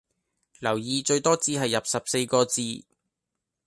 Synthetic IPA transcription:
lɐ˨˩wjiː˨t͡ʃɵ˧ɥt̪ɔː˥t͡siː˧ɦɐ˨jːɐ˨p̚sɐ˨p̚se˧jkɔː˧t͡siː˧

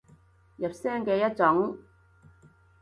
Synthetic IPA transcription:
jɐ˨p̚sɛː˥ŋkɛː˧jɐ˥t̚t͡sʊ˨˥ŋ

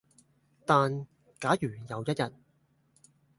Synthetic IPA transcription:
t̪aː˨n | kaː˨˥jyː˨˩jɐ˨˧wjɐ˥t̚jɐ˨t̚

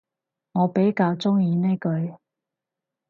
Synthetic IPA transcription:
ŋɔː˨˧pe˨˥jkaː˧wt͡sʊ˥ŋjiː˨˧ne˥jkɵ˨˧ɥ

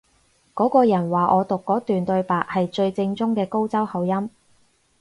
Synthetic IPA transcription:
kɔː˨˥kɔː˧jɐ˨˩nwaː˨ʔɔː˨˧t̪ʊ˨kːɔː˨˥t̪yː˨nt̪ɵ˧ɥpaː˨k̚hɐ˨jt͡ʃɵ˧ɥt͡sɪ˧ŋt͡sʊ˥ŋkɛː˧ko˥wt͡sɐ˥whɐ˨˧wjɐ˥m

